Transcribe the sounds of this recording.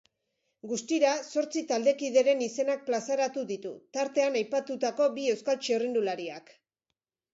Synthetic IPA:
ɡust̪iɾaso̞ɾt͡sit̪ald̪e̞kiðe̞ɾe̞nise̞nak̚plasaɾat̪uðit̪ut̪aɾt̪e̞anajpat̪ut̪ako̞bie̞wskalt͡ʃerind̪ulaɾiak

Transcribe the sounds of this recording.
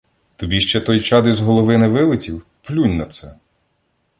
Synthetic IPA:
t̪ɔbʲiʃt͡ʃɛt̪ɔjt͡ʃɑd̪ɪzɦɔlˠɔʋɪnɪʋɪlˠɪt͡sʲiw | plʲunʲnɐt̪sɛ

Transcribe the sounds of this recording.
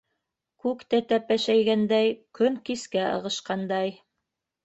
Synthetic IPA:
kʉkt̪æt̪æpæʃæjɡænd̪æjkɵŋkiskæɤ̰̆ʁɤ̆ʃqɑnd̪ɑj

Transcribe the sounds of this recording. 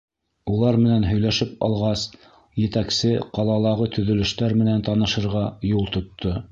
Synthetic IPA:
ulˠɑɾmɘ̆nænɦɵ̆jlæʃɘpɑ̰lˠʁɑs | jɘ̆t̪æksɘqɑlˠɑlˠɑʁɤt̪ʰɵ̆ðɵ̆lɵ̆ʃt̪æɾmɘ̆nænt̪ɑnɤ̆ʃɤ̆ɾʁɑjulˠt̪ŏt̪ːo

